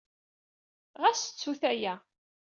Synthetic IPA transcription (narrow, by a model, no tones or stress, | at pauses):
ʁæsə̥t͡sːuθæjæ